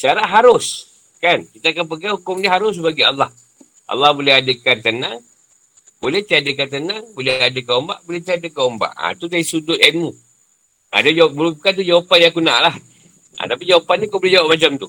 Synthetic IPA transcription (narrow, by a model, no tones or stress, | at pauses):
saɾaʔɦaɾʊs | kankit̪aːkanp̬əɡahukʊmnaɦaɾʊs̬baɡialːɑh | ʔɑ̰lːɑhbolɛhadəkant̪ənaŋ | bolɛht̪iadəkant̪̬ənaŋbolɛadəkaomba̰ʔbolɛht̪iadəkaomba̰ʔa̰t̪udaisudʊt̪ɛnmu | a̰dad͡ʒawapbulʊmkant̪ud͡ʒawapanjãkuna̰ʔlah | a̰t̪apid͡ʒawapannikobolɛd͡ʒawap̚mat͡ʃamt̪u